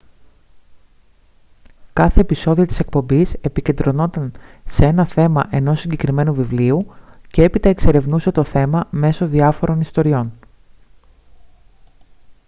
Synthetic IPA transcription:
kɐθe̞ːpiso̞ðio̞t̪i̥sek̚po̞mbise̞pice̞nd̪ɾo̞no̞t̪ɐnsee̞nɐθe̞mɐʔe̞no̞sːiɲɟekɾime̞nuvivliuce̞e̞pit̪ɐe̞kse̞ɾe̞vnuse̞t̪o̞θe̞mɐme̞so̞ðiɐfo̞ɾo̞nist̪o̞ɾio̞n

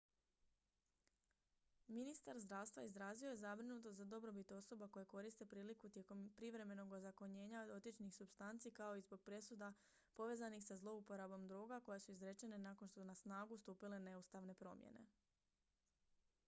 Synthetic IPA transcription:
minist̪aɾzd̪ɾaʋst̪ʋaizɾaːzio̞je̞zabɾinut̪oad̪o̞bɾo̞bit̪o̞so̞bako̞jeko̞ɾist̪e̞pɾiːlikut̪jekompɾiʋɾe̞me̞no̞ɡozako̞ɲe̞ːɲaod̪o̞t̪jit͡ʃnixsubst̪ant̪sikao̞izbo̞ɡ̚pɾe̞sud̪a | po̞ʋe̞ːzanixsazlˠo̞upo̞ɾabo̞md̪ɾoːɡako̞jesuizɾet͡ʃe̞ne̞nako̞nʃt̪osunasnaːɡust̪uːpile̞ne̞ust̪aʋne̞pɾo̞̰mjḛne̞̰

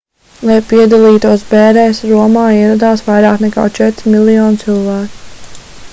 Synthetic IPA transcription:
lˠajpiɛd̪alˠiːt̪uɔsbɛːɾɛjsɾuɔmaːiɛɾad̪aːsʋajɾaːknɛka̰ːt͡ʃɛt̪ɾimilˠijɔːnt̪silˠvæːku̥

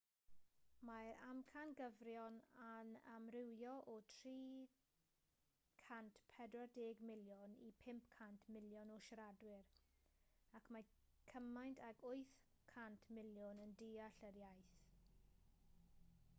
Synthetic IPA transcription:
maɾamkʰanɡəvrjɔnanamrɪwjɔʔɔtʰriː | kʰantpʰɛdrɔdeːɡmɪljʊnḭpʰɪmpkʰantʰmɪljɔnɔʃɾadwɪɾ | akʰma | kʰəmajntʰaɡʰʊjθ | kʰantʰmɪljɔnəndiːaɬəɾjajθ

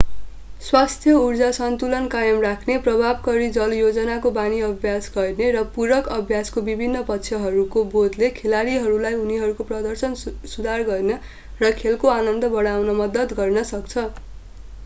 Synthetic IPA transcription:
swast̪ʰjʌurd͡zasʌnt̪ulʌnkajʌmrakʰneprʌbʱabkʌɾid͡zʌljod͡zʌnakobaniʌbʱjasɡʌrneɾʌpuɾʌkʌbʱjaskobibʱinːʌpʌtːt͡sʰjʌɦʌɾukobod̪lekʰelaɾiɦʌɾulajuniɦʌɾukoprʌd̪ʌrsʌnsud̪ʱarɡʌrnʌ | rʌkʰelkoanʌnd̪ʌbʌɽ̃awnʌmʌd̪ʌt̪ɡʌrnʌsʌkt͡sʰʌ

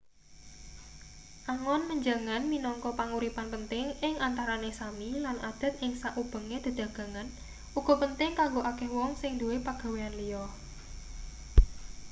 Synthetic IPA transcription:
ʔaŋɔnməɲd͡ʒaŋanminɔŋkɔpaŋuɾipanpənt̪ɪŋʔɪŋant̪aɾanesamilanʔa̰d̪̥a̤t̪̚ɪŋsaʔub̥ə̤ŋed̪̥i̤d̪̥ä̤ɡ̥ä̤ŋan | ʔuɡ̥ɔ̤pənt̪ɪŋkaŋɡoʔakɛhwɔŋsɪŋd̪ṳwepaɡ̥a̤weanlijɔh

